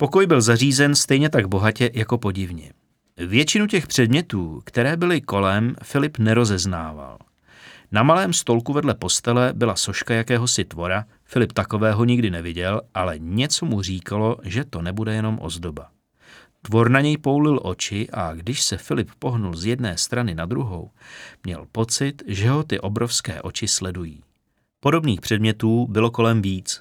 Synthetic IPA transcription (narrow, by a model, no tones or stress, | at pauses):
po̞ko̞jbɪlzariːzɛnst̪ɛjɲɛt̪aɡbo̞ɦacɛjako̞po̞ɟɪvɲɛ̰ | vjɛt͡ʃɪnucɛxpr̝̥ɛdmɲɛt̪uːkt̪ɛɾɛːbɪlɪko̞lɛmfɪlɪpnɛɾo̞zɛznaːva̰l | namalɛːmst̪o̞lkuvɛdlɛpo̞st̪ɛlɛbɪlaso̞ʃkajakɛːɦo̞sɪt̪vo̞ɾa | fɪlɪpt̪ako̞vɛːɦo̞ɲɪɡdɪnɛvɪɟɛlʔalɛɲɛt͡so̞mur̝iːkalo̞ʒɛt̪o̞nɛbudɛjɛno̞mʔo̰zdo̞ba | t̪vo̞ɾnaɲɛjpo̞wlɪlʔo̞t͡ʃɪʔaɡdɪʃsɛfɪlɪppo̞ɦnulzjɛdnɛːst̪ɾanɪnad̪ɾuɦo̰wmɲɛ̰lpo̞t͡sɪt̪ʒɛɦo̞t̪ɪʔo̞bɾo̞fskɛ̰ːʔo̞t͡ʃɪslɛdujiː | po̞do̞bniːxpr̥ɛdmɲɛt̪uːbɪlo̞ko̞lɛmviːt͡s